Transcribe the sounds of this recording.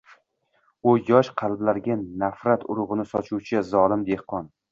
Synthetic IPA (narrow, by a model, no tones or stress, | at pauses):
ʊjɒʃqʰɑlblaɾɡʲanːafɾat̪ʰʊɾʊʁɨnɪsɒt͡ʃʰuwt͡ʃʰazɒlɪmd̪e̞hqʰɒn